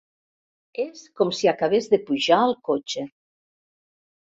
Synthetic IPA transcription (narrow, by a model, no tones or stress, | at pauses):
eskɔmsiakaβ̞ezðepuʒaəlˠkot͡ʃe